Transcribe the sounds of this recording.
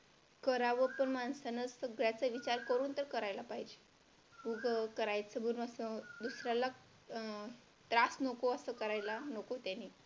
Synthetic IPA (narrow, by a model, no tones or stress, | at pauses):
kəɾaʋəpəɳmansanəsəɡɭjat͡səʋit͡ɕaɾkəɾuːnt̪əɾkəɾajlapaɦid͡ʑe | uɡəkəɾajsəmunəsəd̪usɾjala | t̪ɾasnokoəsəkəɾajlanokot̪janːi